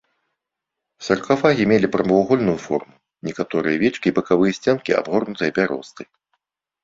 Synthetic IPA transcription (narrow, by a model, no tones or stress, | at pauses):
sɐrkafaɣʲimʲelʲipɾɐmɐaɣɔlʲnujufɔ̰rmu | nʲɛkat̪ɔɾɨjɐvʲɛt͡ʂkʲibɐkavɨjɐsʲt͡sʲɛnkʲia̰bɣɔrnut̪ɨjɐpʲaɾʔɔ̰st̪ɨ